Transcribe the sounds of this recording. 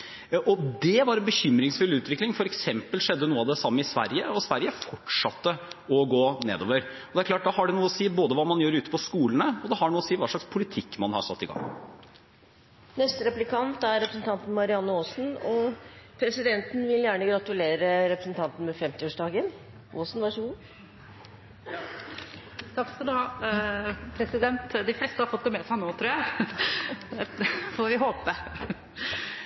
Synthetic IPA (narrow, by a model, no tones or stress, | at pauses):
ʔɔd̪ɛʋɑɾɛnbəçʏmɾɪŋsfʉlːʉːt̪ʋɪklɪŋfɔɾɛksɛmpəlʂɛd̪ːənuːəɑʋd̪ɛsɑmːəɪsʋæ̰ɾjəɔsʋæɾjəfɔʈʂɑt̪ːəɔɡoːnḛːd̪o̰ːʋəɾɔd̪ɛæɾkʰlɑːʈ̚d̪ɑːhɑɖɛnuːɔsiːboːd̪əʋɑːmɑnjøːɾʉːt̪əpʰɔskuːlənəɔd̪ɛhɑɳuːɔsiːʋɑːʂɭɑkspʰʊlɪt̪ʰɪkːmɑnhɑ̰ɾsɑt̪ːɪɡɑ̰ŋː | nɛst̪əɾɛplɪkʰɑnt̪æɾɾɛpɾəsn̩t̪ʰɑnt̪n̩mɑɾɪɑnːəoːsn̩ɔpʰɾɛsɪd̪ɛnt̪n̩ʋɪljæːɳəɡɾɑt̪ʉleːɾəɾɛpɾəsn̩t̪ʰɑnt̪nmɛfɛmt̪ɪoːʂd̪ɑːɡən | ʔoːsnʋɑʂəɡuː | t̪ʰɑksɔd̪ɑ | pʰɾɛsɪd̪ɛnt̪d̪ɪflɛːst̪əhɑɾfɔt̪̚d̪ɛmɛsæɪnoːt̪ʰɾuːæ | ɛfɔɾʋɪɦoːpə